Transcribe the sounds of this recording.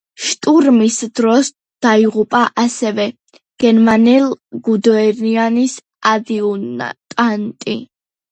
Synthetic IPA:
ʃt̪ʼuɾmisd̪̥ɾɔs | d̪̥aiʁupʼaʔasɛvɛ | ɡ̥ɛɾmanɛlɡud̪ɔɛɾianis | ad̪iuna̰t̪ʼant̪ʼi

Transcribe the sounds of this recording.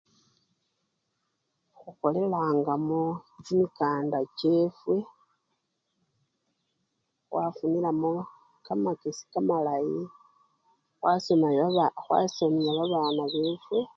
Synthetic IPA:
xuko̞le̞laːŋɡamuod͡ʒimikaːndace̞fwe̞ | xwʔafunilamo | kamakesi̥kamalaji | xwasomaxwa̰somiaβaβaːnaβeːfwe̞

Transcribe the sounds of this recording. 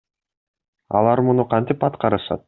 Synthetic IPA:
ɑ̰lˠɑɾmunuqʰɑnt̪ipɑt̪qɑɾɯʃɑ̰t̪̚

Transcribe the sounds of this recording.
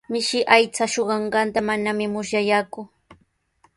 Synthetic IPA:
mɪʃɪʔajt͡saʃoɢɑɴɢɑnt̪amanamɪmʊʃjajaːkʊ

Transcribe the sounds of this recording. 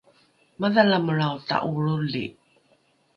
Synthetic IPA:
maðalaməɭawta̰ʔuɭulḭ

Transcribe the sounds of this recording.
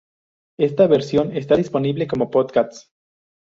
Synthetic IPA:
e̞st̪aβeɾsjo̞ne̞st̪aðispo̞niβle̞ko̞mo̞poðkas

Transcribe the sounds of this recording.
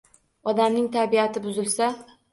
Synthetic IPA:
ɒd̪amnɪŋt̪ʰabiat̪ʰɪbʊzɪlˠsa

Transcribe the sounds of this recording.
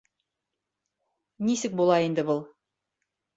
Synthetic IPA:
nisɘk̚bulˠɑind̪ɘbɤlˠ

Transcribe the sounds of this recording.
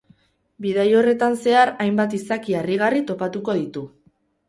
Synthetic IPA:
biðajo̞re̞t̪anse̞aɾajmbat̪isakiariɣ̞arit̪o̞pat̪uko̞ðit̪u

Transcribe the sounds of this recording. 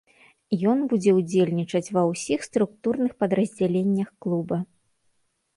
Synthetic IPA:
jɔnbud͡zʲɛud͡zʲelʲnʲit͡ʂɐt͡sʲvɐwsʲixst̪ɾuk̚t̪urnɨxpɐd̪ɾɐzʲd͡zʲalʲenʲːɐxklˠubɐ

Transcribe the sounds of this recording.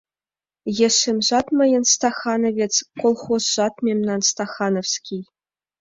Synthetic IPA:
jeʂɘmʐɑt̪mɤ̆jɤ̆nst̪ɑχɑnɤ̆vʲet͡skolˠχosʒ̥ɑt̪mʲemnɑnst̪ɑχɑnofskʲij

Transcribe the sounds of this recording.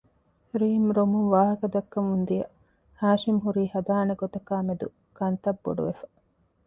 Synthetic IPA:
ɾiːmɾomuŋʋaːɦɐkɐd̪ɐkːɐmund̪ijɐ | haːʃimɦuɾiːhɐd̪aːneɡot̪ɐkaːmed̪u | kɐnt̪ɐbːo̰ɖṵʋefɐ̥

